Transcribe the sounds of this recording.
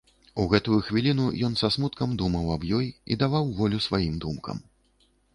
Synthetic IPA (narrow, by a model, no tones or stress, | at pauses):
uɣɛt̪ujuxvʲilʲin̪ujɔn̪sasmut̪kɐmd̪umɐwɐbjɔjḭd̪avawvɔlʲusvajimd̪umkɐ̰m